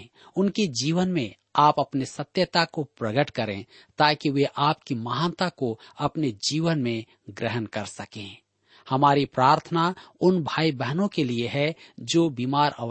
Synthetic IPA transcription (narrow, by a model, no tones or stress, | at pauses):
ʊnked͡ʒiːʋənmẽ | aːpɐpnesət̪jət̪akopɾəɡəʈkəɾḛ̃ | t̪aːkiʋeʔaːpkimɐɦaːnt̪akoɐpned͡ʒiːʋənmẽ | ɡɾɪɦənkɐɾsəkḛ̃ː | hɐmaːɾipɾaːɾt̪ʰənaʊnbʱaːibɛɦnõkelieɦɛd͡ʒoːbiːmaːɾə̰